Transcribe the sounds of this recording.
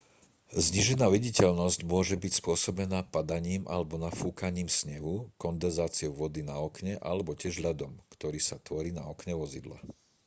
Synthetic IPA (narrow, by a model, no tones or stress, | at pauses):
zɲiʒɛnaːʋiɟicɛʎnɔzcmʊɔʒɛbicspʊɔsɔbɛnaːpad̪aɲiːma̰lɛbɔnafuːkaɲiːmsɲɛɦukɔnd̪ɛnzaːt͡sɪɔʊʋɔd̪inaɔkɲɛʔa̰lɛbɔcɪɛʒʎad̪ɔmkt̪ɔɾiːsat̪ʋɔɾiːnaɔkɲɛʋɔzid̪la̰